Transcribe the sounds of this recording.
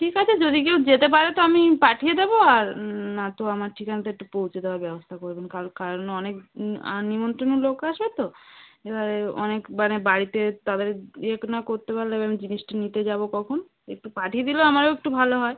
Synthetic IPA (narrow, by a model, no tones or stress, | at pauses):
ʈʰikat͡ɕʰed͡ʑod̪ik̬ewd͡ʑet̪ep̬aɾet̪oamipaʈʰijed̪eboaɾnat̪oamaɾʈʰikanat̪oek̚ʈupowt͡ɕʰed̪eoaɾbɛbost̪ʰakoɾbenkaɾokaɾonɔnek̚a̰nimont̪ɾonolokaʃbet̪oebʱaɾeɔ̰nekmanebaɾit̪et̪ad̪eɾeknakoɾt̪epaɾleebamid͡ʑiniʃʈenit̪ed͡ʑabokɔkʰono | ek̚ʈupaʈʰied̪iloamaɾeek̚ʈubʱaloɦɔe